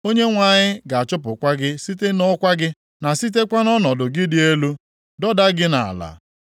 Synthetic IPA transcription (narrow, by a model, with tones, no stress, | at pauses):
o˦ɲe˦ŋʷa˨ɲɪ˦ɡa˨a˨t͡ʃʊ˦p̬ʊ˨kʷa˦ɡɪ˦si˦te˦nɔ˦kʷa˦ɡɪ˦ | na˨si˦t̬e˦kʷa˦nɔ˦nɔ˨dʊ˨ɡɪ˦dɪ˨e˦lu˦ | dɔ˦da˦ɡɪ˦na˨a̰˨la̰˨